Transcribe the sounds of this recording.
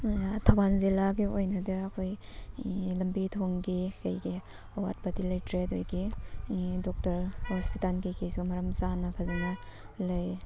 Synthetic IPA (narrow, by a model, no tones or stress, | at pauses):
tʰɐwanzilaɡiojnɐdɐɐkʰoj | lɐmbitʰoŋɡikɐjɡi | ɐwa̰t̚bɐdilɐjtɾetojɡi | dɔk̚tɐɾhɔspitalɡikejsumɐɾɐmsanɐpʰɐzɐnɐ | lɐj